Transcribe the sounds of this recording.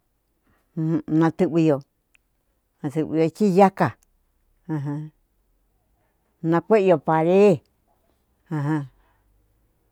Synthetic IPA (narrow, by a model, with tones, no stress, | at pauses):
nã˧t̪u˧ʔβi˧jo˨ | ã˧t̪u˧βḭ˧jo˧t͡ʃi˦ja˦ka˨ | ã˧ɦã˧ | nã˧kʷe˦ʔo˧pa˨ɾe˦˨ | ã˧ɦã˧